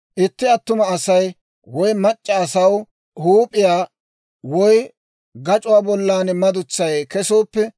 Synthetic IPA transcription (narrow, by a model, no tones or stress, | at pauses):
ʔɪt̪ːɪɐt̪ːʊmɐːsɐj | wɔjmɐt͡ʃʼːɛːsɐw | huːpʼɪjaː | wɔj | ɡɐt͡ʃʼʊwaːbɔlːaːnmɐd̪ʊt͡sːɐjkɛsoːpːɛ